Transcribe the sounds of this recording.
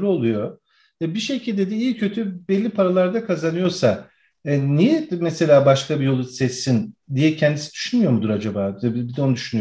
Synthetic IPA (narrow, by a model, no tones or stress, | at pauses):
o̞lˠujo̞ | ɛbiʃecʰilʲd̪ed̪ɛijcʰø̞t̪ʰybɛlʲːipʰaɾalˠaɾd̪akʰazanɯjo̞sa | ɛnijɛmɛse̞lʲaːbaʃkabijo̞lˠusɛsːind̪ijɛcʰɛnd̪isid̪̥y̥ʃynmyjo̞ɾmud̪uɾad͡ʒabaːbid̪ɛoud̪yʃyny